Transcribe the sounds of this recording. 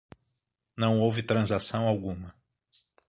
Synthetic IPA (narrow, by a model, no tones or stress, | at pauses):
nɐ̃w̃owvɪt̪ɾɐ̃zasɐ̃w̃awɡũmɐ